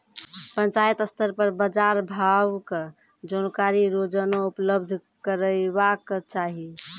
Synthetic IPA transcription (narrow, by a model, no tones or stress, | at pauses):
pənt͡ʃajət̪əst̪əɾpəɾbəd͡ʒaɾbʱawke | d͡ʒonkaɾiɾod͡ʒənoupləbd̪ʱkəɾəbakt͡ʃaɦi